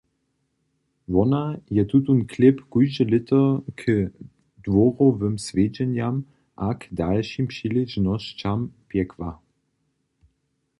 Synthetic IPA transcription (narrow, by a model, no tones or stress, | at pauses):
vɔnajɛt̪ut̪unklɪpkujʒɛlɪt̪əkʰə | d̥wɔʁovəmsved͡ʒɛnjam | ʔakdalʃimpʂiliʒnɔɕt͡ɕampjɛkva